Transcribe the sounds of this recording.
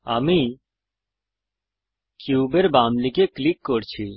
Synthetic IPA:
aːmi | kjuːbeɾbaːmlikeklikːoɾt͡ɕʰi

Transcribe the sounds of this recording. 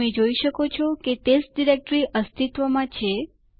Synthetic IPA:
ẽd͡ʒoiʃəkot͡ʃʰɔketesʈ̚ɖiɾek̚ʈɾiʔəst̪ʰit̪ʋəmãt͡ʃʰe

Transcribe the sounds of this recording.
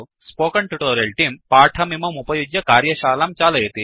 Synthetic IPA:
spoːkɐɳʈuʈoːɾjɐlʈiːmpaːʈʰɐmimɐmupɐjud͡ʒjɐkaːɾjɐʃaːlaːmt͡ʃaːlɐjɐt̪i

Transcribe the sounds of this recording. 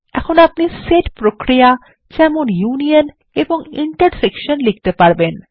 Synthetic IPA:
ɛ̰kʰonap̚niseʈpɾokɾia | d͡ʑɛmonjunion | eboŋḭɳʈaɾsekʃonlik̚t̪epaɾben

